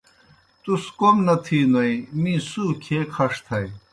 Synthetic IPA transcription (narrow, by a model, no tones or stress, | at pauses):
t̪uskomnɐt̪ʰiːnɐijmĩːsuːkʰeːkʰɐʂt̪ʰɐj